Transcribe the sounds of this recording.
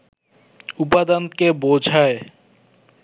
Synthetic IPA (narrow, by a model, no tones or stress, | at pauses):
up̬ad̪ankebod͡ʑʱae